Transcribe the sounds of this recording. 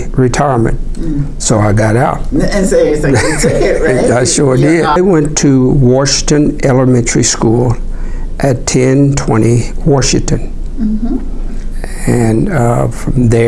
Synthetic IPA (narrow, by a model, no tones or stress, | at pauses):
ɹitʰaɪə˞mɨ̰̃nt̚ | soʊaɪɡɑɾaʊt̚ | aɪʃɔdɪaɪwɛ̃ntʰɨwɑʃɪ̃ŋtɨ̃nʔɛlˠəmɛ̃ntə˞iskulˠ | ʔɨtʰɛ̃ntʰw̥ɛ̰̃ɾ̃iwɑʃɪ̃ŋtɨ̃n | ɨ̃nfɹʌ̃mðə